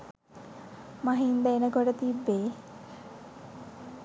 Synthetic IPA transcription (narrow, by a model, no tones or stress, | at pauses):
maɦind̪əenəkoʈət̪ibːeː